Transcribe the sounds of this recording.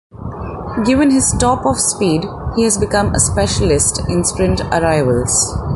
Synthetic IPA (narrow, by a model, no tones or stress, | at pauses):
ɡɪʋə̃nɦɪz̥ʈɔːpɔfspiːɖ | hiːhæzbɪkʌ̃mə̰spɛʃəlɪsʈɪ̃nspɾɪ̃nʈə̰ɾaɪʋəlz̥